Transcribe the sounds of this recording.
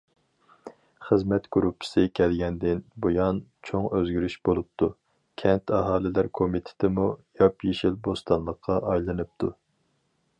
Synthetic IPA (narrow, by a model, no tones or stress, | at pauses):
χəzmɛt̪ɡ̥uɾupʰːɪ̥sɨkʲʰɛlɡʲɛnd̪ɪnbojɑnt͡ʃʰoŋøzɡʲyɾyʃbolˠup̚t̪ʰu | kʲʰɛnt̪ʰɑɦɑːlˠɪlæɾkʰomit̪ʰɪ̥t̪ʰɪmujɑpjeʃilbost̪ɑnlˠəqʰːɑʔɑjlˠɨnɨp̚t̪ʰu